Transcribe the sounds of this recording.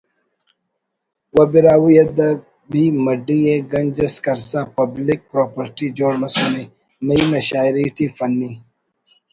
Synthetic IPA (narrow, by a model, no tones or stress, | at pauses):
wabiɾawujed̪ə | bimɐɖijeɡɐnd͡ʒɐskɐɾsãpɐblik̚pɾopəɾʈid͡ʒoɽmɐsuni | nəjmeʃaːɾiʈifɐnːi